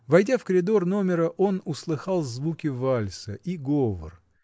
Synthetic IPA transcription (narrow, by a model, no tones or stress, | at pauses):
vɐjdʲafkəɾʲɪd̪o̞rno̞mʲɪɾəʔo̞nʊslˠɨxɑlˠzvukʲɪvalʲsəʔiɡovə̰r